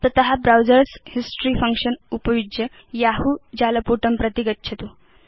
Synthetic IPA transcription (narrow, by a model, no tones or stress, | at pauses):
t̪ət̪əɦabɾawd͡zəɾshisʈɾiːfəŋkʂənupəjud͡ʒjə | jaɦud͡ʑaləpuʈəmpɾət̪iɡətːt͡ʃʰɐt̪u